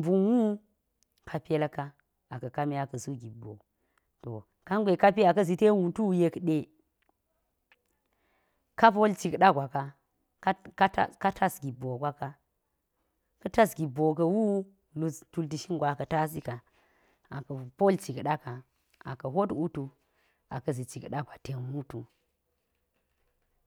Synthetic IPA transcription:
mbu˨nwu˦ | kʰa˨pe˦la˦ka˦ | a˨kɐ˨ka˦mi˦a˨kɐ˨su˦ɡi˨bo̰˨ | to̰˨ | ka˦ŋɡʷe˨ka˦pi˦a˨kɐ˦z̬i˨te˦wu˨tu˦u˨je˨kɗe˨ | ka˦po˦lt͡ʃi˨kɗa˦ɡʷa˨ka˦ | ka˦ka˦ta˦ka˦tʰa˦sɡi˨bo˨ɡʷa˦ka˦ | kɐ˦ta˦sɡi˨bo˨k̬ɐ˨wu˦ | lu˨stu˦lt̬i˨ʃi˦ŋɡʷa˨kɐ˨ta˦si˦ka˨ | a˨kɐ˨po˦lt͡ʃi˨kɗa˦ka˨ | a̰˨kɐ˨ɦo˦tu˦tu˨ | a̰˨kɐ˦zi˨t͡ʃi˨kɗa˦ɡʷa˨te˨˦mu˦tu˨

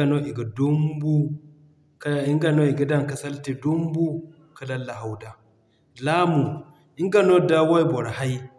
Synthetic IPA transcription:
a˨no˦ʔi˨ɡa˨do˦mbu˦ | ki˦ŋɡa˨no˦i˨ɡa˨da˦ŋ˨ka˦sa˦lte˨do˦mbu˦ | ka˦la˦la˨ɦa˨wda˦ | la˦mu˨ | i˦ŋɡa˦˨no˦˨da˦wa˦i˦bɔ˨ɾha˦i˦

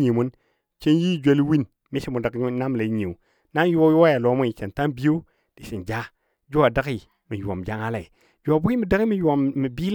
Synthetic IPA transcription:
ɲi˨mu˦n | t͡ʃe˦nji˦˨d͡ʒe˦li˦wi˦n | mi˦si˦mu˨da˨kna˦m˨la˨˦ɲi˨u˨ | na˦njju˦a˦ja˨lo˨˦mu˦i˨t͡ʃe˨nta˦nbi˦jo˦ | d̥i˨si˨nd͡ʒa˦ | d͡ʒu˦a˨da˦ki˦ | mi˨ja̰˨m˨d͡ʒa˦ŋa˦la˨i˨ | d͡ʒu˨˦a˨bu˦i˦mi˨da˦ki˦mi˨ju˨a˨mːi˨bi˦l

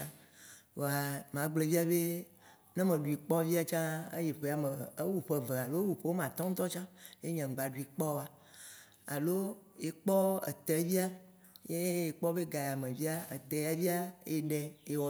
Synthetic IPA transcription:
wo˨a˨m˨ã˨˦ɡ͡ble˨vi˦a˦be˦ | nɛ̃˦mẽ˨ɖu˨i˨k͡pɔ˦vi˦a˦t͡ʃã˦ḛ˦je˨ɸe˨˦˨a˨me˨e˦wu˨ɸe˨ve˨a˨lo˦wu˨ɸe˦wo˦m˨ã˨t̪ɔ̃˦ŋ̩˦t̪ɔ˦t͡ʃã˦je˦ɲɛ̃˨ŋ̩˨ɡ͡ba˨ɖu˨i˨k͡pɔ˦a˨ | a̰˨lo˦e˨k͡pɔ˦ḛ˨t̪ɛ˨˦vi˦a˦ | je˦e˨k͡pɔ˦be˦ɡa˨ja˨mẽ˨vi˦a˦ḛ˨t̪ɛ˨ja˨vi˦a˦e˦ɖɛ˨e˦wɔ˨

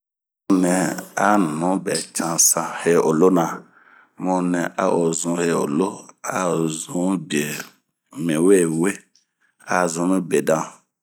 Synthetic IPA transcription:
mɔ̃˦nɛ̃˨a˦n˨nɔ̃˦bɛ˨t͡ʃã˨sã˨he˦o˨lo˦nã˨ | mɔ̃˦nɛ̃˨ʔa̰˦ʔo˨zũ˨he˦o̰˨lo˦a˦˨zũ˦m˦bi˨e˨ | mẽ˨we˦˨we˦ | a˦zũ˨˦mẽ˦be˨dã˦

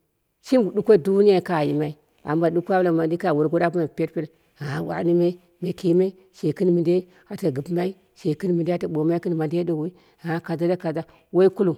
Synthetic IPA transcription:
ʃi˦ɡdu˦kʷo˦˨du˦ni˦a˨ka˨ji˨ma˨i˦ | a̰˨mba˨ɗu˦kʷa˦ba˨ma˨di˦ka˦˨wu˨ɾɡo˦da˦bu˦ma˨pʲe˦ɾpe˦l | a˨wa̰˨˦ni˦me˦ | me˨ki˦me˦ | ʃe˨kɨ˦n˦mi˨nde˦ | a˨ta˨ɡɨ˨pma˦i˦ | ʃe˨kɨ˦n˦mi˨nde˦ta˨ɓo˨ma˦i˦kɨ˦n˨ma˨nde˦do˨w | a˨a˦ka˨za˦la˦ka˨za˦ | wo˦i˦ku˦lu˨

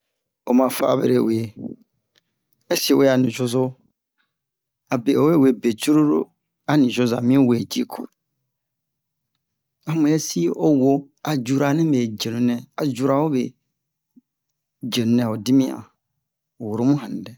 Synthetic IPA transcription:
o˨mã˨fa̰˦˨bḛ˨ɾe˨we˨e˨ | ɛ˦swe˦a˨nĩ˨d͡ʒo˦zʊ˦ | a˨be˨ʔo˨we˦˨we˨be˨t͡ʃu˦ɾu˦ɾo˦ | a˦nĩ˨d͡ʒo˦za̰˨mĩ˦we˨e˨d͡ʒi˦kʰo̰˨ | a˨mũ˨ɛ˦si˦o˦wo˦ | a˨d͡ʒu˨ɾa˨nɛ̃˦ɛ˨d͡ʒe˨nũ˨nɛ̃˦a˨d͡ʒu˨ɾa˨wo˦bɛ˨ | d͡ʒe˨nũ˦nɛ̃˨o˨di˦mĩ˦a̰˨ | wʊ˨ɾo˦mũ˦ɦã˨n˨dɛ˨

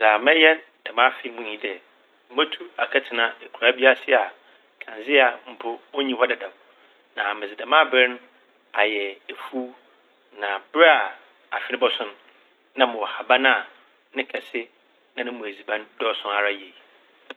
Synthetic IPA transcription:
za˨mɛ̃˦jɛ˦ | d̥a˨mã˦fɪ˦mʊ̃˦ɲĩ˦dɛ˨ | ma˦tʰu˦a˨kʰa˦tʰɪ˨nã˦e˨kʰu˨ɾa˦bi˦a˦sɪ˦a˨ | kʰã˨nzɪ˦a˨m̩˨pʰʊ˦o˦ɲĩ˦hɔ˦dɛ˨dã˨m | nã˨mɪ̃˨d͡zɪ˨da˨mã˦bɪ˦n˦ | a˨jɛ˨e˨fu˦ | nã˨bɪ˦ɾa˦a˨ | a˨ɕᶣɪ˦nɪ̃˦bɔ˦sʊ̃˦n | nã˦mʊ̃˨wɔ˨ha˨bã˦na˨ | nɪ̃˦kʰɛ˨sɪ˦ | nã˨nɪ̃˦mʊ̃˨æ˨zi˨bã˦ndɔ˦sʊ̃˦na˨ɾa˦je˨

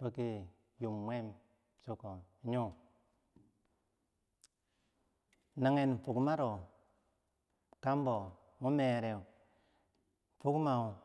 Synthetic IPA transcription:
po˦ki˨ | ju˨mːwe˦m | so˦ko˨i˨ɲu˦ | na˨ŋe˨n˨fu˨kma˦ɾo˨ | ka˦m˦bo˨ | mu˦me˨ɾe˨w | fu˦kma˨u˨

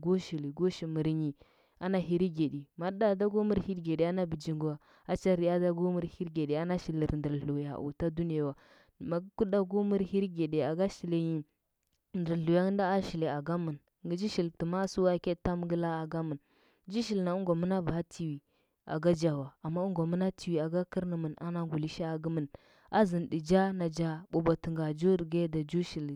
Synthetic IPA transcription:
ɡo˦ʃi˨li˨ɡo˦ʃi˨mə˨ɾɲi˨ | a˦na˨ɦi˨ɾi˦ɡe˨di˨ma˦da˦˨da˦ɡo˦mu˦ɾhi˦ɾɡe˨ɗe˨a˦na˦bi˨d͡ʒi˨ŋɡu˨wa˨ | a˦t͡ʃa˦ɾi˨ja˦da˦ɡo˦mu˦ɾhi˦ɾɡe˨de˨a˦na˦ʃi˨lə˨ɾndə˨ɾɬu˨ja̰˨ʔṵ˨ta˦du˦ni˦ja˨wa˨ | ma˨ɡku˦ɗa˦ɡu˦mu˦ɾhi˦ɾi˦ɡe˨de˨a˨ɡa˦ʃi˨le˨ɲi˨ | n˨də˨ɾɬu˨ja˦n˦da˦a˦ʃi˨le˨a˨ɡa˦mə˨n | ɡi˦d͡ʒi˦ʃi˨ltə˨ma˦su˦wa˦ke˦ta˦m˦ɡə˦la˦a˨ɡa˦mə˨n | d͡ʒi˦ʃi˨lna˨u˦ɡo˨mə˦na˦ba˨a˦tʰi˨wi˨ | a̰˨ɡa˦d͡ʒa˨wa˨a˨mːa˦u˦ŋɡo˨mə˦na˦ti˨wi˨a˨ɡa˦ki˦ɾnə˨mə˨na̰˦na˦ɡu˨li˦ʃa˦a˨ɡə˦mə˨n | a˦zə˨ndi˨d͡ʒa˦na˨d͡ʒa˦ɓo˨ba˨tu˨ŋɡa˨d͡ʒu˦ɾɡe˦da˨d͡ʒu˦ʃi˨l

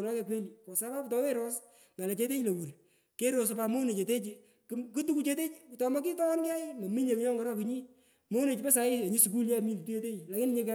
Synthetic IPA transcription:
nɔ˦kɛ˧k̬we˦li˨kɔ˨sa˦pa˦ptɔ˦we˦ɾo˦s | mɛ˨le˨t͡ʃe˦t̬e˦t͡ʃle˨wu˨ɾ | ke˦ɾo˨s̬pa˧mo˦ne˨t͡ʃe˨te˦t͡ʃi˧ | kkɨ˦tu˦ku˦t͡ʃe˦t̬e˦t͡ʃi˨ktɔ˨mɔ˦k̬i˦tɔ˦nɡa˦ima˨mi˦ɲe˨ki˦ɲɔ˦ŋɡɛ˦ɾɔ˦ki˧˦ɲi˦ | mo˦ne˨t͡ʃi˨pɛ˦sa˨˦ɪ˦e˨ɲi˦su˨ku˦lja˦˨mi˦n˨tu˦e˦te˦i˨la˨kɪ˦n˦ɲe˦kɛ˦

